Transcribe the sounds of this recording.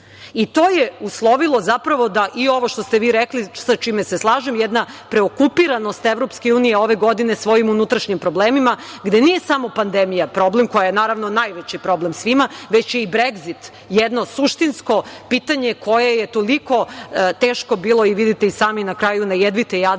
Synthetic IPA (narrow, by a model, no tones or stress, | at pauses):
it̪o̞ːjeuslˠo̞ʋilˠo̞zapɾaʋo̞d̪aʔio̞ʋoʃt̪ost̪eʋiːɾeklisat͡ʃimeseslˠaːʒemjed̪napɾeokupiɾanost̪eʋɾo̞pskeuːnijeo̞ʋe̞ɡo̞d̪ine̞sʋo̞jimunut̪ɾaʃɲimpɾo̞bleːmima | ɡd̪e̞nije̞samo̞pand̪emijapɾo̞blemko̞jajenaːɾaʋno̞najʋet͡ɕipɾo̞blemsʋimaʋet͡ɕjeibɾeɡzit̪ | jɛd̪no̞suʃt̪insko̞pit̪aɲe̞ko̞jejet̪o̞liko̞t̪eːʃko̞biːlˠo̞iʋid̪it̪eisaːminakɾaːjunajed̪ʋit̪eja